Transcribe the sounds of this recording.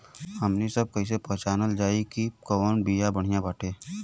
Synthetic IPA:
ɦɐmnisɐb̚kɐis̬epɛɦt͡ʃaːnəld͡ʒaːikikɔːnbijabəɽ̤ijãbaːʈʰeː

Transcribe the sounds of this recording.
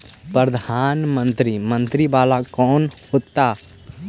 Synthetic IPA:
pɾəd̪ʱaːnmə̃nt̪ɾimə̃nt̪ɾibalakɔːnhot̪ːa

